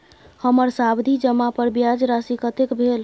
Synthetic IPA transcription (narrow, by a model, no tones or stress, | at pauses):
həməɾsabd̪ʱid͡ʒəmapəɾbjad͡ʒɾasikət̪ekbʱel